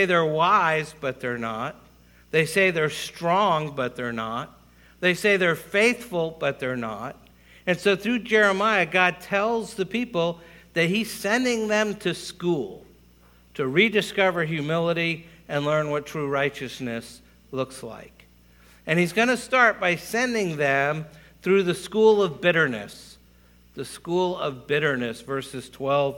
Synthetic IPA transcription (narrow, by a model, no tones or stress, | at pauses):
ɪðə˞waɪzbʌt̪̚ðə˞nət̪̚ | ðeɪseɪðə˞stɹ̥ɔ̃ŋbʌt̪̚ðə˞nət̪̚ | ðeɪseɪðə˞feɪθfl̩ˠbʌt̪̚ðə˞nə̰t̚ | ɨ̃nsoʊθɹʉd͡ʒɛɹɨmaɪɨɡɑd̚tʰɛlˠzðɨpʰipl̩ˠðɨt̚hiz̥sɛ̃ndɪ̃ŋðɨ̃mtʰɨskulˠ | tʰɨɹidɨskʌvə˞ɦjʉmɪlˠəɾiɨ̃nlɜ̃˞nwʌtʰɹ̥uɹaɪt͡ʃɨsnɨs | lʊksla̰ɪk | ɨ̃nizɡʌñɨstɑɹt̚b̥aɪsɛ̃ndɪ̃ŋðɨ̃m | θɹʉðɨskulˠʌvbɪɾə˞nɨ̰s | ðɨskulˠʌvbɪɾə˞nɨsvɜ˞sɨz̥tʰw̥ɛlˠv